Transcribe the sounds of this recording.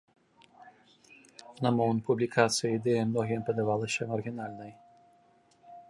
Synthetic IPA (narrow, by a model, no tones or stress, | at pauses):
nɐmɔvɨmpublʲikat̪sɨjɐid̪ɛjɐmnɔɣʲimpɐd̪avalˠɐsʲɐmɐrɣʲinalʲnɐj